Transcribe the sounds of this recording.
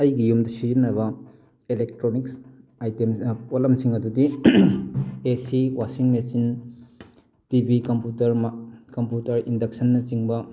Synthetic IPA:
ɐjɡijumdɐsizinːɐbɐ | elek̚tɾoniksajtemolɐmsiŋɐdudi | esiwʔasiŋmesin | tibikɐmputɐɾmkɐmputɐɾindɐk̚sɐnːɐt͡ʃiŋbɐ

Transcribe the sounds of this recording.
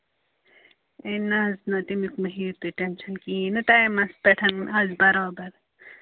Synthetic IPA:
enaznɐt̪imikmɐɦiːɾt̪iʈenʃɐnkiːnɐt̪ajmɐspɐʈʰɐnɐzbɐɾɑːbɐɾ

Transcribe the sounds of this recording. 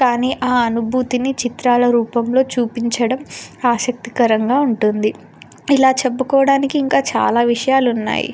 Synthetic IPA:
kaːniːʔaːɐnubʱuːt̪init͡ʃit̪ɾaːlɐɾuːpɐmlo̞ːt͡ʃuːpiɲt͡ʃɐɽɐmaːʃɐk̚t̪i̥kɐɾɐŋɡaːuɳʈund̪i | ilaːt͡ʃɐbːɐkɔːʋɐɽaːnikiːŋkaːt͡ʃa̰ːlaːʋiʂɐjaːlunːa̰ːjḭ

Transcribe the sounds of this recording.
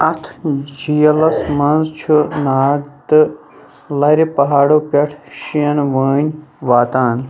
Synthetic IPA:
ɐt̪ʰd͡ʒijɐlɐsmɐnzt͡ʃʰunaːɡt̪ɨ | lɐɾepɐɦaːɽopʲɐʈʰʃiɐnʋəːɲʲʋaːt̪aːn

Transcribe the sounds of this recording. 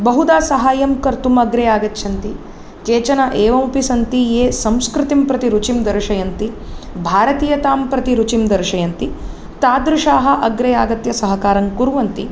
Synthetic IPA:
bɐɦud̪aːsɐɦaːjɐmkɐɾt̪umɐɡɾeːjaːɡɐt̪ːʃʰɐnt̪i | keːt͡ʃɐnɐʔeːʋɐmpisɐnt̪ieːsɐmskɾɪt̪impɾɐt̪iɾut͡ʃimd̪ɐɾʃɐjɐnt̪i | bʱaːɾɐt̪iːjɐt̪aːmpɾɐt̪iɾut͡ʃimd̪ɐɾʃɐjɐnt̪i | t̪aːd̪ɾuʃaːɦɐ̆ʔɐɡɾeːjaːɡɐt̪jɐsɐɦɐkaːɾɐŋkuɾuʋɐnt̪i

